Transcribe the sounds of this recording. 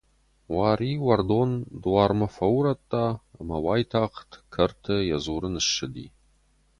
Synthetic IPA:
waːɾiːwɐrdoːnd̪uwaːrmɐfɐwɾɐt̪ʼːa̰ːmɐwaːjtʰaːqtʰkʰɐrtʰɐjɐzuːɾɨnɨʃɨd̪ḭː

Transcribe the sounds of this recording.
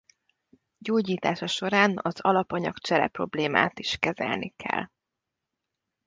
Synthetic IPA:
ɟoːɟiːt̪aːʃɒʃo̞ɾaːnɒzɒlɒpɒɲɒkt͡ʃɛɾɛ̰pro̞bleːma̰ːt̪iʃkɛzɛ̰lnikʰɛ̰lː

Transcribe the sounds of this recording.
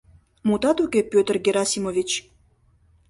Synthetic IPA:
mut̪ɑt̪ukʲepʲøt̪ərɡʲeɾɑsʲimovʲit͡ɕ

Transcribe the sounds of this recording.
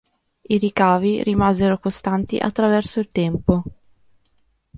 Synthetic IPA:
iɾikaːviɾimaːzeɾokost̪ant̪ḭʔa̰t̪ːɾavɛrsoilt̪ɛmpo

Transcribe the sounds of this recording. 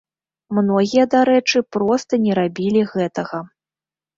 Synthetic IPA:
mnɔɣʲijɐd̪aɾɛt͡ʂɨpɾɔst̪ɐnʲɛɾabʲilʲiɣɛt̪ɐɣɐ

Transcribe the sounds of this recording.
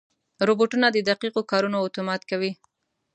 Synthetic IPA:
ɾoboʈunad̪əd̪aqiqokɑɾunoʊt̪omɑt̪kawi

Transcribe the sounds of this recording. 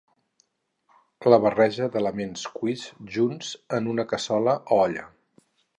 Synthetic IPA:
kləβ̞ərɛʒəðələmenskwizʒunzənunəkəsɔləʔɔʎə̰

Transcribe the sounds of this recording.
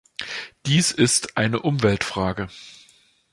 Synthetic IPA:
d̥iːsɪstʔaɪnəʔʊmvɛltfʁ̥aːɡə

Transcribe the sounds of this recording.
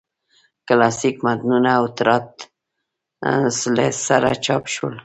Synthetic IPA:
klasikmat̪nunawt̪ɾat̪ | slesaɾa̰t͡ʃɑpʃṵl

